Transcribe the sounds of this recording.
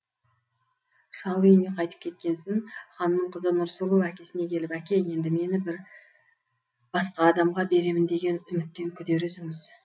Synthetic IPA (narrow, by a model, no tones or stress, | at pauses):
ʃɑwjeneqʰɑjt̪ə̥p̚kʲʰe̞t̪̚kʲe̞nsɪŋχɑnːəɴqʰəzənʊɾsʊlˠowækʲe̞sɪne̞kʲʰe̞lɪpækʲe̞je̞nd̪ɪme̞nɪbɪɾ | b̥ɑsqɑːd̪ɑmʁɑbe̞ɾe̞mɪnd̪e̞ɡʲe̞nʏmɪt̪ːe̞ŋkʲʰʏd̪e̞ɾɪzɪŋɪz